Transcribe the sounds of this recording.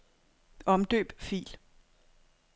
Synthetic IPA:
ɒ̽md̥ø̰ːb̥fḭːl

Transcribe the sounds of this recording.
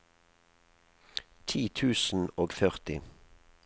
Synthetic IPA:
t̪ʰiːt̪ʰʉːsn̩oːɡfœʁt̪ɪ

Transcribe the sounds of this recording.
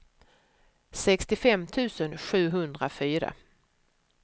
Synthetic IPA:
sɛkst̪ɪfɛmːt̪ʰʉ̟ːsənɧʉ̟ːɦɵnd̪ɾafyːɾa̰

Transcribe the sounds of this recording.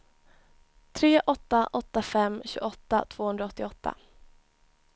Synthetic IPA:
t̪ʰɾeːʔɔt̪ːaʔɔt̪ːafɛmːɕʉ̰ːɡɔt̪ːa̰t̪ʰv̥oːhɵnd̪ɾaɔt̪ːɪɔt̪ːa̰

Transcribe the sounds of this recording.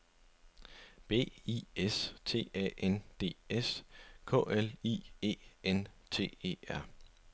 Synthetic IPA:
b̥e̝̰ːiest͡sʰe̝̰ːɛ̰ʔend̥e̝̰ːeskʰɔ̰̽ːelḭːe̝̰ːent͡sʰe̝̰ːe̝̰ːæɐ̰

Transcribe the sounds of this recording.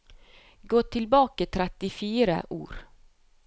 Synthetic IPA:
ɡoːt̪ʰɪlbɑːkət̪ʰɾɛt̪ːɪfiːɾə̰ʔṵːɾ

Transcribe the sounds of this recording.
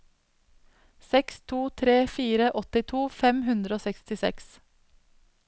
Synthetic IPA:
sɛkst̪ʰuːt̪ʰɾeːfiːɾəʔɔt̪ɪt̪ʰuːfɛmɦʉnd̪ɾəoːsɛkst̪ɪsɛ̰ks

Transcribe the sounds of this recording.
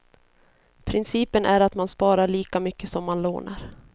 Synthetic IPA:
pʰɾɪnsiːpənʔæɾat̪manspɑːɾaɭiːkamʏkːəsɔmːanlo̰ːna̰ɾ

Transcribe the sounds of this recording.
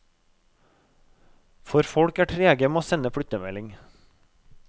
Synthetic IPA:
fɔɾfɔɽkæːʈʰɾeːɡəmeːoːsɛnəfɽʏt̪əmɛlɪŋ

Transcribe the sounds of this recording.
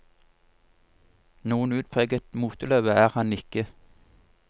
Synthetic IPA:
nuːənʉːd̪̚pʰʁeːɡət̪muːt̪əlœːʋəæːʁhɑnɪkə

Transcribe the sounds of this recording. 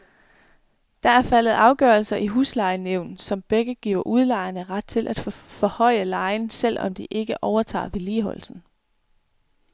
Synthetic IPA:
d̥ɑ̈æɐfæləð̞̩ˠɑ̈ʊɡ̥ɶːɐlsɐʔiɦuːslɑ̈ɪneʊ̰nsɒ̽mb̥eɡ̥əɡ̥ḭʊ̰ɐʔuð̞ˠlɑ̈ɪɐnəʁɑd̥̚t͡sʰe̝lʔæd̥ffɒ̽hɒ̽ɪ̰əlɑ̈ɪnsel̰ɒ̽md̥iʔe̝ɡ̥əʔɒʊɐt͡sʰɑ̰̈ːʋe̝liːɦɒ̽l̰sn̩

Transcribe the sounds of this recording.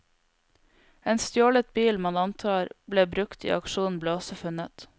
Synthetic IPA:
eːnst̪joːlət̪̚biːlmɑnɑnt̪ʰɑːɾbleːbɾʉkt̪ḭːʔɑkʃuːn̩bleːɔsɔfʉnət̪

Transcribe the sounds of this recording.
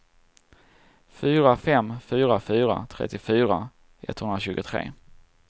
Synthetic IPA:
fyːɾafɛmːfyːɾafyːɾa̰t̪ʰɾɛ̰t̪ːɪfyːɾa | ʔɛ̰t̪ːhɵnɾaɕʉ̟ːɡʊt̪ʰɾḛː

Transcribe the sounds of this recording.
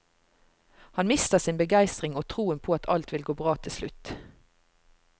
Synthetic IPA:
hɑnmɪst̪əʁsɪːnbəɡæɪst̪ʁɪŋoːt̪ʰʁuːənpʰoːɑt̪ʰɑlt̪ʋɪlɡoːbʁɑːt̪ʰɪlslʉt̪

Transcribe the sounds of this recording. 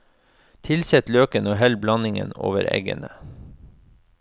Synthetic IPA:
t̪ʰɪlsɛt̪løːkənoːɦɛlblɑnɪŋə̰no̰ːʋəɾɛ̰ɡə̰nə

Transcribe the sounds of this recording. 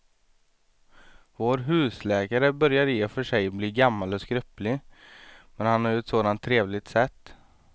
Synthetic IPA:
voːɾɦʉ̟ːslɛːkaɾəbœɾjaɾjeːfœʂɛjbliːɡamːalɔskɾœplɪ | mɛnhanhaɾjɵɛt̪soːd̪ant̪ʰːɾeːvlɪt̪sɛt̪ː

